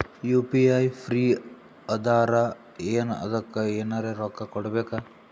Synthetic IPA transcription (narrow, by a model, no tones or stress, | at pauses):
jupiajpʰɾiː | əd̪aɾa | enə̰d̪ɔkːaenaɾeɾɔkːakɔɽbeka